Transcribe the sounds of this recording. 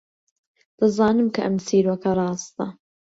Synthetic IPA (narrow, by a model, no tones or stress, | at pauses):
d̪̥ɐzɑːnɨmkʰɐʔɐmsiːɾwɐkʰɐɾˤɑːst̪ɐ